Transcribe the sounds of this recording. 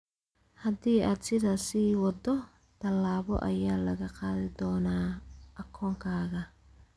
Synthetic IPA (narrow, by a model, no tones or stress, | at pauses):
hɐd̪iːʔaːd̪sɪðaːsiːwɑd̪ɔ | t̪ʰɐlːaːβɔ̰ʔɐ̰jaːlɐɣɐqɑːðɪd̪ɔːnaːʔɐkʰɔːŋkʰaːɣɐ